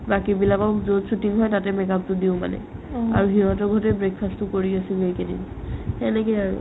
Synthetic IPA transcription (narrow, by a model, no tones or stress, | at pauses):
bakibilakɔkzotsutiŋɦɔjtatɛmɛkap̚tʊdiʊ̃ma̰nɛ̰a̰ɹuɦiɦɔ̃tɔɡʱɔtɛbɹek̚ʰpʰastʊkoɹiasilejkedḭn | hɛnɛkɛaɹṵ